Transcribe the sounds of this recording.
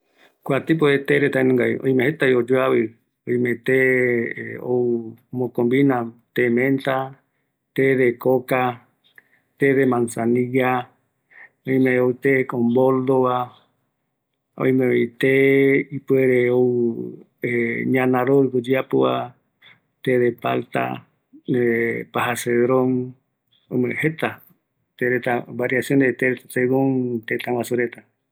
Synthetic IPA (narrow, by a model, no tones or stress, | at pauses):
kʷwat̪ip̬oet̪eɾet̪ainũŋɡajʔõ̰ĩmẽhet̪aiod͡ʒoaβɨ | õĩmẽt̪e | o̰umõkõmbinãt̪emẽnt̪a | t̪eðekoka | t̪eðemãnsanija | õĩmẽout̪ekombold̪oβa | õ̰ĩmẽet̪eipweɾeo | eɲãnãɾoɾkod͡ʒiapoa̰ | t̪eðepa̰lt̪a̰ | epaɦaseðɾõŋ | õjmẽhet̪a | t̪eɾet̪abaɾiasjõnet̪eɾaseɡõŋt̪et̪ãwasuɾet̪a